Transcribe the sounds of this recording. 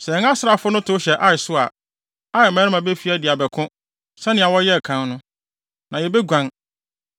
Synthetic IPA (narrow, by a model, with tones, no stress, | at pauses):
sɛ˨ɛ˨ŋã˦sɾa˨fʊ˦nʊ̃˦tʰʊ˦ɕɛ˨ʔa˦ɪ˨sʊ˦a̰˨ | a˦ɪ˨mɛ̃˦ɾɪ˦mã˨be˦fi˦a˦dɪ˨a˨bɛ˨kʰʊ̃˦ | sɛ˦nɪ̃˨a˨wɔ˦jɛ˦˨kʰã˨˦nnʊ̃˦ | nã˨jɛ˨bɛ˦ɡʷã˨ŋ